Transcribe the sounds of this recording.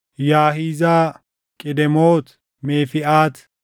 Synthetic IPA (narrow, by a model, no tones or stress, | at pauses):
jaːɦiːzaː | kʼɪd̪ɛmoːt̪ | meːfɪʔaːt̪